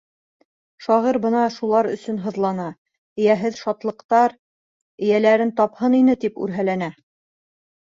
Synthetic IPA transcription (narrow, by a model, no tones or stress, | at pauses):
ʃɒʁiɾbɤ̆nɑʃulˠɑɾɵ̆sɵnɦɤ̆ðlˠɑnɑ | ɘ̆jæɦɘðʃɑt̪lˠɤ̆qt̪ɑɾ | ɘ̆jælæɾɘnt̪ɑphɤninɘt̪ipʉ̰ɾɦælænæ